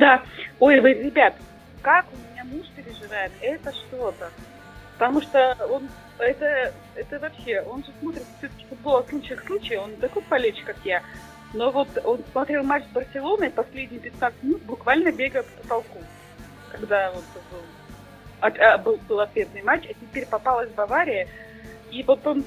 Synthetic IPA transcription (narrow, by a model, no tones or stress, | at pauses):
d̪ao̞jvəjɾʲɪbʲat̪ | kakʊmʲɪnʲamuʂpʲɪɾʲɪʐɨvajɪt̪ɛt̪əʂt̪o̞t̪ə | pə̥t̪ɐmuʂt̪oo̞n | ɛt̪ə | ɛt̪əvɐpɕe̞o̞nʐɨsmo̞t̪ɾʲɪt̪fsʲot̪ə̥kʲɪ̥fʊd̪̚bo̞lˠəslˠut͡ɕɨxslˠut͡ɕɪjo̞nt̪ɐkojpɐlʲet͡ɕkakja | no̞vo̞t̪o̞nsmɐt̪ɾʲe̞lˠmat͡ɕzbərsʲɪlˠo̞nəpɐsʲlʲedʲnʲɪjpʲɪt̪nat̪sɨt̪̚ʲmʲɪnut̪̚bʊkvalʲnəbʲe̞ɡəpə̥pət̪ɐlˠkum | kɐɡd̪avot̪t̪ɐko | ɐabɨlˠbɨlˠɐt̪ʲfʲet̪nɨjmat͡ɕɐtʲɪpʲeɾʲpɐpalˠəzʲvbɐvaɾʲɪjɪ | ivot̪om